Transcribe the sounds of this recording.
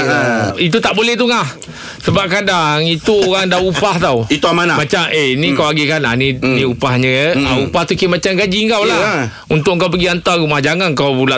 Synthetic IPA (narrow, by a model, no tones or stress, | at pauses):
it̪ut̪aʔbolɛht̪uŋah | səbap̚kadaŋit̪uoɣaŋdaupaht̪awit̪uamanamat͡ʃamʔenĩkawaɡekana̰ninĩupahɲə̃aupaht̪ukimat͡ʃamɡad͡ʒiŋkawla | unt̪ʊʔŋkawp̬əɡiant̪aɾumahd͡ʒaŋankawbula